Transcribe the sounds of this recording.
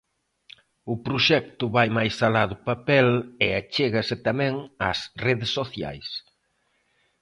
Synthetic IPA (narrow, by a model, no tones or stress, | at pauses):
ʊpɾuʃɛk̚t̪ʊβajmajsalaðʊpapɛleat͡ʃeɣɐsɪt̪amɛ̃ŋasreðesːoθja̰js